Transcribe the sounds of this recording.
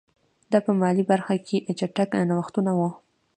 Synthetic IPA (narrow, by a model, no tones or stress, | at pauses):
d̪ɑpəmɑlibaɾxakʰeʔt͡ʃaʈaknawaxt̪unawu